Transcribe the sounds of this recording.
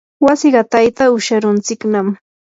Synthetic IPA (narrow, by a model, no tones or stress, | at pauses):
wasɪɢɑt̪ajt̪aʊʃaɾʊnt͡sɪknam